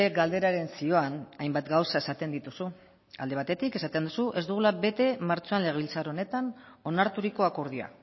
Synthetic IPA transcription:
eɡald̪e̞ɾaɾe̞nsio̞anajmbat̪ɡawsae̞sat̪e̞nd̪it̪usu | a̰ld̪e̞β̞at̪e̞t̪ike̞sat̪end̪usuʔe̞zd̪uɣ̞ulaβe̞t̪e̞maɾt͡so̞anle̞ɣeβilt͡saɾo̞ne̞t̪ano̞naɾt̪uɾiko̞ako̞ɾð̞ia̰

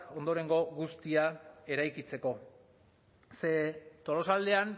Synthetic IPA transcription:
o̞nd̪o̞ɾe̞ŋɡo̞ɣust̪iae̞ɾajkit͡se̞ko̞ | se̞t̪o̞lo̞sald̪e̞an

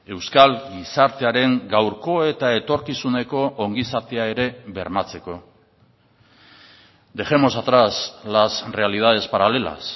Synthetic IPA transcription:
e̞wskalɡisaɾt̪e̞aɾe̞ŋɡawɾko̞e̞t̪ae̞t̪o̞ɾkisune̞ko̞ʔoŋɡisat̪eae̞ɾe̞βe̞ɾmat͡se̞ko̞ | d̪e̞ʝemo̞sat̪ɾaslasre̞alið̞að̞e̞spaɾale̞la̰s

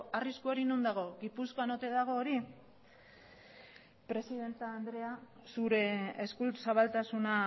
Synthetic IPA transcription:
ariskuoɾinund̪aɣ̞o̞ɣipusko̞anot̪e̞ðaɣ̞o̞ːɾi | pɾe̞siðe̞nt̪aːnd̪ɾe̞a | suɾe̞eskusaβalt̪asuna

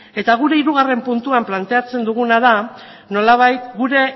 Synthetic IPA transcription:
e̞t̪aɣ̞uɾe̞iɾuɣ̞are̞mpunt̪uamplant̪e̞at͡se̞nd̪uɣ̞unaða | no̞laβ̞ajt̪ɡuɾe̞

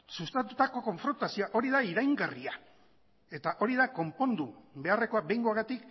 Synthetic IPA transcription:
sust̪at̪ut̪ako̞ko̞ɱfɾo̞nt̪asioaʔo̞ɾiðaiɾajŋɡaria | e̞t̪aʔo̞ɾiðako̞mpo̞nd̪uβe̞are̞ko̞abe̞jŋɡoaɣat̪ik

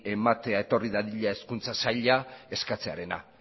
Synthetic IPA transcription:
e̞mat̪e̞ae̞t̪o̞riðaðiʎae̞skunt͡sasaʎae̞skat͡se̞aɾe̞na̰

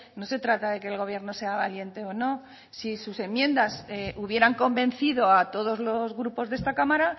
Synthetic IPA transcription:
no̞se̞t̪ɾat̪aðe̞ke̞ːlɣ̞o̞β̞je̞ɾno̞se̞aβalje̞nt̪e̞o̞no̞ | sisuse̞mjẽ̞nd̪aseʔuβje̞ɾaŋko̞mbẽ̞n̟θiðo̞at̪o̞ðo̞zlo̞zɣɾupo̞zðest̪akamaɾa

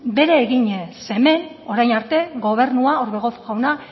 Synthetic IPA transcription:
be̞ɾe̞ːɣiɲese̞me̞n | o̞ɾajnaɾt̪e̞ɣo̞β̞e̞ɾnuaoɾβe̞ɣ̞ot̪uɣawna

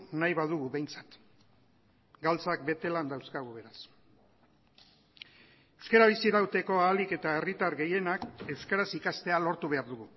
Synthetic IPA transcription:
najβaðuɣ̞uβe̞jnt͡sḁt̪ | ɡalt͡sak̚be̞t̪e̞land̪awskaɣuβe̞ɾas | ewskeɾaβ̞isiɾawt̪e̞ko̞aːlike̞t̪ae̞rit̪aɾɣe̞je̞nake̞wskaɾasikast̪e̞alo̞ɾt̪uβe̞aɾðuɣu

